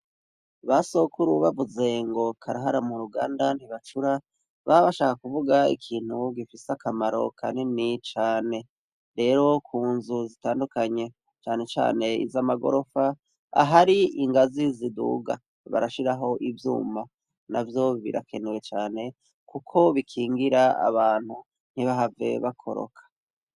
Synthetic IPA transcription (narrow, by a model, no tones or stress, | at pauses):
βaso̞kʰuɾuβavuze̞ŋɡo̞kʰaɾaɦaɾamuɾuɡa̰ːndan̥hiβat͡ʃuɾa | βaβaʃaːkakuvuɡaḭkʰiːn̥huɡifiseakamaɾo̞̰kʰa̰nenit͡ʃaːne̞ | ɾe̞ːɾo̞kʰuːnzuzitaːndukaɲe̞ | t͡ʃaːne̞t͡ʃa̰ːne̞ḭzamaɡo̞̰ɾo̞fa | a̰ɦaɾiiŋɡazizidṵːɡa̰ | βa̰ɾaʃiɾaɦo̞ʔivjṵːma | navjo̞βḭɾʔa̰kʰe̞newe̞t͡ʃaːne̞ | kukʰo̞βikʰiːŋɡiɾaa̰βaːn̥hu | n̥hiβaɦave̞̰βakʰo̞̰ɾo̰kʰḁ